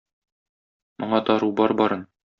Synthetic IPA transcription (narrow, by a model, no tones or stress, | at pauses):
mŏɴɑt̪ɒɾubɒɾbɒɾɤn